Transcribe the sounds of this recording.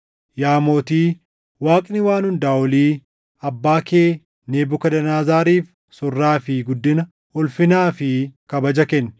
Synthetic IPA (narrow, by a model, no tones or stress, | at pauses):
jaːmoːt̪iː | waːkʼnɪwaːnhʊnd̪aːwɔliː | ɐbːaːkeː | neːbʊkɐd̪ɐnaːzaːɾiːf | sʊrːaːfɪɡʊd̪ːɪnɐ | ɔlfɪnaːfɪkɐbɐd͡ʒɐkɛnː